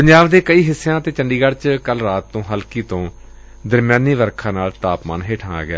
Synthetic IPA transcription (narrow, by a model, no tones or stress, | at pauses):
pəɲd͡ʒaːʋd̪eːkəiːɦɪsːejãːət̪eːt͡ʃəɳɖiːɡəɽt͡ʃkəlɾaːt̪ːõːɦəlkiːt̪õː | d̪əɾmjãːniːʋəɾkʰãːnaːlt̪aːpma̰ːnɦeːʈʰaːa̰ːɡɪa̰ː